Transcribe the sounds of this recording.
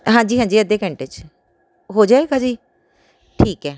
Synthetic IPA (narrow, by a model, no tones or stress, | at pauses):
ɦãːɲd͡ʒiːɦãːd͡ʒiːəd̪eːkə̃ɳʈet͡ʃ | ɦoːd͡ʒaːekãːd͡ʒiː | ʈʰiːkɛː